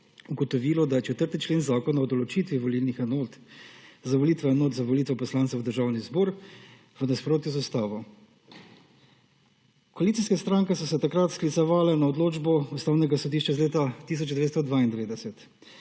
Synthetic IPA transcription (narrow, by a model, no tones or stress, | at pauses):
uɡɔt̪ɔʋiːlɔd̪ajɛt͡ʃɛt̪əɾt̪it͡ʃleːnzaːkɔnaɔd̪ɔlɔt͡ʃiːt̪ʋiʋɔliːlnixɛnoːt̪zaʋɔliːt̪ʋɛnoːt̪zaʋɔlit̪ʋɛpɔslaːnt̪ɛwd̪əɾʒaːwnizbɔːɾ | ʋənaspɾoːt̪juzast̪aːʋɔ | kɔalitsiskɛst̪ɾaːŋkɛsɔsɛt̪akɾat̪sklit̪sɛʋaːlɛnaɔd̪loːd͡ʒbɔust̪aːwnɛɡasɔd̪iːʃt͡ʃaizleːt̪at̪is̬ɔt͡ʃd̪ɛʋeːt̪st̪ɔd̪ʋaːind̪ɛʋeːd̪ɛsɛt̪